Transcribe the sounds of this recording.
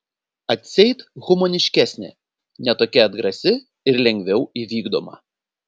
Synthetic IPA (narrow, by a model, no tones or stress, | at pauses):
ɐt̪ʲsʲɛɪt̪ɣʊmoːnʲɪʃʲkʲæːsʲnʲɪ̰ | nʲɛt̪oːkʲɛɐd̪ɡɾɐsʲɪ | ɪɾlʲɛŋʲɡʲʋʲɛʊiʋʲiːɡd̪o̰ːmɐ̰